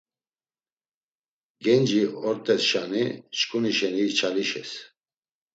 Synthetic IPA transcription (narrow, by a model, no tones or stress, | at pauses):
ɡɛnd͡ʒiɔɾt̪ʼɛsʃaniʃkʰʼuniʃɛnit͡ʃʰaliʃɛs